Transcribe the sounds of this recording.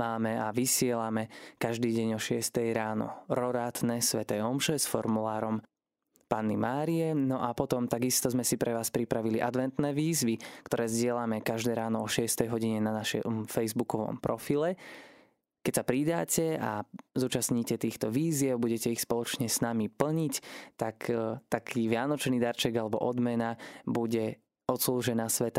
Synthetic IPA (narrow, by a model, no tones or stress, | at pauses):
maːmɛaʋisɪɛlamɛkaʒd̪iːɟɛɲɔʃɪɛst̪ɛjɾaːnɔ̰ɾɔɾaːt̪nɛsʋɛt̪ɛːɔmʃɛsfɔ̰ɾmulaːɾɔm | paːnːimaːɾijɛnɔʔapɔt̪ɔmt̪aɡist̪ɔzmɛsipɾɛʋaːspɾipɾaʋiliʔad̪ʋɛnt̪nɛːʋiːzʋikt̪ɔɾɛːzɟɪɛlamɛkaʒd̪ɛːɾaːnɔɔʃɪɛst̪ɛjɦɔɟiɲɛnanaʃɛ̰mfɛjzbukɔʋɔ̰mpɾɔfilɛ | kɛcsapɾid̪aːcɛa̰zuːt͡ʃasɲiːcɛt̪iːxt̪ɔʋiːzɪɛʊbuɟɛcɛixspɔlɔt͡ʃɲɛsnamipl̩ɲict̪akt̪akʰiːʋɪanɔt͡ʃniːd̪aɾt͡ʃɛɡalɛbɔ̰ʔɔd̪mɛnabuɟɛ | ɔt̪slˠuːʒɛnaːsʋɛt̪a